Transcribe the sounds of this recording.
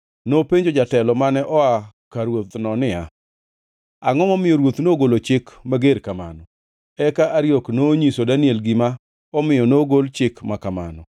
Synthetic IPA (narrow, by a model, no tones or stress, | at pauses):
nopeɲd͡ʒod͡ʒatɛlɔmanɛʔɔa | kaɾwot̪nɔnɪa | aŋɔmɔmɪjɔɾwot̪noɡolot͡ʃɪkmaɡeɾkama̰nɔ | ɛkaʔaɾjoknoɲisodaniɛlɡɪma | ɔmɪjɔnoɡolt͡ʃɪkmakama̰nɔ